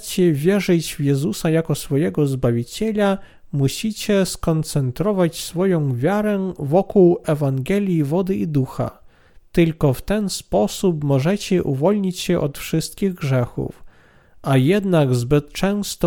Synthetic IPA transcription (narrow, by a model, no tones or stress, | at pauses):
t͡ɕɛvʲjɛʐɘd͡ʑvjɛzusajakɔsfɔjɛɡɔzbavʲit͡ɕɛlʲa | muɕit͡ɕɛskɔnt̪sɛnt̪ɾɔvat͡ɕsfɔjɔ̃w̃vʲjaɾɛvɔkuwɛvaŋɡɛlʲjivɔd̪ɘid̪uxa̰ | t̪ɘlkɔft̪ɛnspɔsupmɔʐɛt͡ɕɛʔuvɔlʲɲit͡ɕɕɛʔɔt̪fʂɘst̪̚kʲiɣɡʐɛxṵf | ʔajɛd̪naɡzbɘt̪t͡ʂɛ̃w̃st̪ɔ